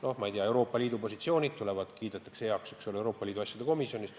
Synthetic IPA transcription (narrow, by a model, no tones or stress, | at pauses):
no̞hmɑijt̪eɑe̞wɾo̞ːpːˑɑlʲiːd̪upo̞sʲit̪sio̞ːnʲid̪̥̚t̪ule̞vɑd̪̥kiːd̪̥et̪ːˑekseɑkseksolewɾo̞ːpːˑɑliːd̪uɑsʲjɑd̪̥eko̞misjo̞nʲis